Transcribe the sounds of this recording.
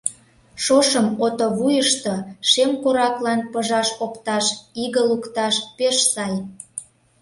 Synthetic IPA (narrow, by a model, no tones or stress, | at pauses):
ʃoʃəmot̪oβujəʃt̪oʃemkoɾɑklɑnpəʒɑʃokt̪ɑʃiɣə̆lukt̪ɑʃpeʃsɑj